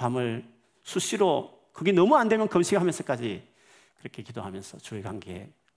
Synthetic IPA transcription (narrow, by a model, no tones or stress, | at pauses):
amɯɭ | sʰuɕʰiɾo | kɯɡenʌmuande̞mjʌnkʌmɕʰiɡɯɦamjʌnsʰʌk͈ad͡ʑi | kɯɾʌkʰe̞kidoɦamjʌnsʰʌt͡ɕuekwaŋɡḛ